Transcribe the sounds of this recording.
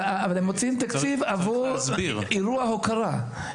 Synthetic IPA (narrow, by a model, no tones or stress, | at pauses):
aavalemot͡siimt̪akt͡sivavuziʁiɾuaɦokaʁa